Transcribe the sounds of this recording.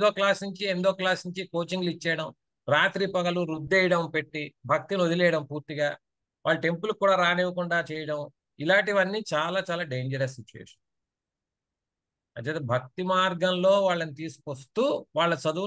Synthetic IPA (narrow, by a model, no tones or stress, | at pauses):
d̪oːklaːsniɲt͡ʃiend̪oːklaːsniɲt͡ʃikoːt͡ʃiŋɡlit͡ʃːɛːɽɐm | ɾaːt̪ɾiːpɐɡɐluɾud̪ːɛjɐɽɐmpe̞ʈːibʱɐk̚t̪inod̪ilɛːjɐɽɐmpuːɾt̪iɡaː | ʋa̰ːɭːɐʈe̞mpulukːuːɽaːɾaːneːʋɐkuɳɖaːt͡ʃɛːjɐɽɐm | ilaːʈiʋɐnːiːt͡ʃaːlaːt͡ʃaːlaːɖeːɲd͡ʒɐɾɐssit͡ʃuḛːʂɐ̥n | ɐ̰t͡ʃeːt̪ːbʱɐk̚t̪imaːɾɡɐmlo̞ːʋaːɭːɐnit̪iːsu̥kost̪uːʋaːɭːɐt͡ʃɐd̪u